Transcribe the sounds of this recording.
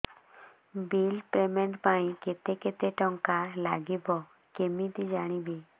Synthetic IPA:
bilpɾemeɳʈpaĩket̪eket̪eʈɔŋkala̰ɡibɔ | kemid̪id͡ʒaːɽ̃ibi

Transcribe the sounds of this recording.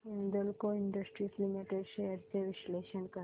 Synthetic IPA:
ind̪əlkoiɳɖəsʈɾislimiʈeɖʃeəɾd͡ʑeʋiɕleʃənkə

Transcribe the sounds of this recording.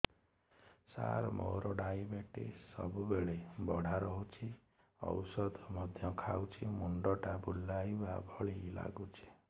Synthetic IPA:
sa̰ɾmo̰ɾɔɖajbeʈḛsɔbubeɭebɔɽ̤ʱaɾɔɦut͡ʃʰi | ɔ̰wsɔd̪mɔd̪ʱjɔkʰawt͡ʃʰimuɳɖɔʈabʱulːajbabʱɔɭila̰ɡut͡ʃʰi̥

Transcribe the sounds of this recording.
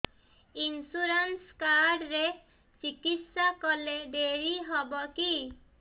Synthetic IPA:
insuɾanskaɾɖɾe | t͡ʃikit̪sakɔleɖeɾiɦɔbɔki

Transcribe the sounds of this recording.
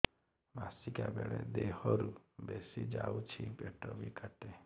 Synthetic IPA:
basikabeɭḛd̪ehɔɾubesid͡ʒaut͡ʃʰipeʈɔbikʰəʈe

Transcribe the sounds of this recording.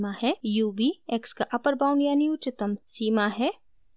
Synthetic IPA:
mahɛjuːbiekskaʔɐpəɾbãːʊ̃ɳɖjaːniʊt͡ʃɪt̪əmsiːmaɦɛ

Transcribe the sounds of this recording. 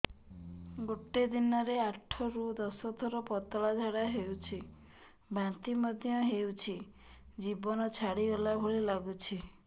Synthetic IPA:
ɡoʈed̪inɔɾeaʈʰɔɾud̪ɔsɔt̪ʰɔɾɔpɔt̪ɔɭad͡ʒʱaɽaɦewt͡ʃʰi | bãnt̪imɔd̪ʱjɔɦewt͡ʃʰi | d͡ʒibɔnɔt͡ʃʰaɽiolabʱoɭilaɡut͡ʃʰi

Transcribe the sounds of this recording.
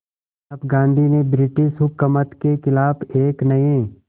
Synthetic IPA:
ɐpɡãːnd̪ʱinebɾɪʈɪʃɦʊkːəmət̪kekɪlaːbeːknɐẽ

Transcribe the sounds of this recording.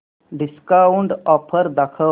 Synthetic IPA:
ɖiskaːuɳɖɔːpʰəɾd̪akʰə

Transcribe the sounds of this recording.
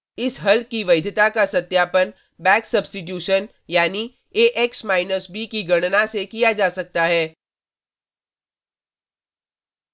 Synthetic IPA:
ɪsɦɐlkːiʋɐɪd̪ʱɪt̪akasɐt̪jaːpən | bɛ̃ːksɐbsʈɪʈ̬juːʃən | jaːni | eːʔɛksmaːɪnəsbikiɡɐɽ̃nasekijad͡ʒaːsɐk̚t̪aɦɛː

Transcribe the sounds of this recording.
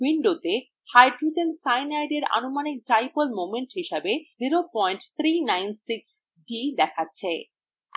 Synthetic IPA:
wiɳɖot̪e | hajɖɾuʈelsajnajɖeɾa̰nomanik̚ʈajpolmomeɳʈɦiʃabeziɾopɔjɳʈt̪ʰɾinajnsiks | ɖid̪ɛkʰatːɕʰe

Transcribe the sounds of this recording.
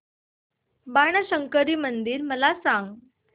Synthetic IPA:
baɳ̃əɕəŋkəɾiːmənd̪iːɾməlasãŋɡ

